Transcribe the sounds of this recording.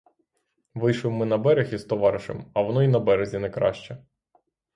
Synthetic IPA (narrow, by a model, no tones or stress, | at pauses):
ʋɪjʃʋɪmːɪnɐbɛɾʲɪxizt̪ɔʋɑɾɪʃɪ̰mɐʋɔnɔinɐbɛɾezʲinɛkɾɑ̰ʃt͡ʃɛ